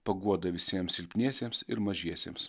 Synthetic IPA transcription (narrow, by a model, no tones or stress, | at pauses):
pɐɡuɔd̪ɐʋʲɪsʲiɛmsʲɪlʲpʲnʲiɛsʲeːmsɪɾmɐʒʲiɛsʲḛːms